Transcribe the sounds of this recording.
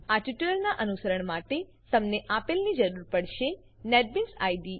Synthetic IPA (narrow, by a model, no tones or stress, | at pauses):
aʈiʈələlnaʔənusəɾəɳmaʈe | t̪əmneʔapelnid͡ʒəɾuɾpəɽʃe | neɖ̚binsajɖi